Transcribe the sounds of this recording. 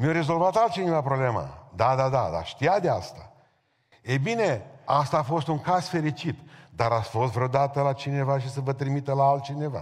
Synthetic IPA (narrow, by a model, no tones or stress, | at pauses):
mjoɾe̞zo̞lvat̪alt̪̚t͡ʃinevapɾoblema̰d̪ad̪ad̪ad̪a̰ʃt̪ijad̪east̪a | ejbine̞ast̪aːfo̞st̪uŋkaz̥fe̞ɾit͡ʃit̪d̪aɾasʲfo̞s̬t̪vɾeod̪at̪əlat͡ʃine̞vaʃ̬isəvət̪ɾimit̪əlaalt̪̚t͡ʃine̞va̰